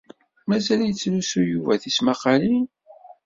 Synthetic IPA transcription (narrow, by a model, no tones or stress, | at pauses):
mæzæljət͡sːlusujuvæθismaqɑlin